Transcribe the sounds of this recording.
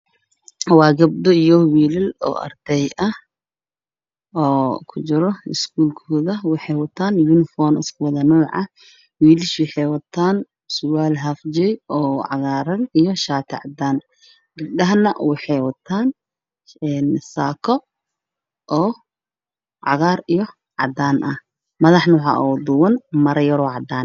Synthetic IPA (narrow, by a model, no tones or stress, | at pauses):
wɑːɡɐb̚d̪ɔijɔwiːlɪlɔ̰ːʔɐ̰rd̪̥ɛjɐh | ɔːkʰʊt͡ʃɪɾɔɪskʰuːlkʰɔːðɐwɑħɑjwɑt̪ʰaːnjunɪfɔːnɪ̰skʰʊwɐðɐnɔːʕɑ̰ | wiːlɪʃwɑħɑjwɐt̪ʰaːn | sʊwaːlɦaːfd͡ʒɛjɔːʕɑɣaːɾɐnijɔʃaːt̪ʰɪʕɑ̰d̪aːn | ɡɐb̚ɗɐɦɐnɐwɑħɑjwɐt̪ʰaːn | ɛːnsaːkʰɔ | ʔɔː | ʕɑɣaːrijɔ | ʕɑ̰d̪aːnʔɐh | mɐðɑħnʊħɑ̰ʔɔːd̪uwɐnmɐɾɐjɐɾɔːʕɑd̪aːn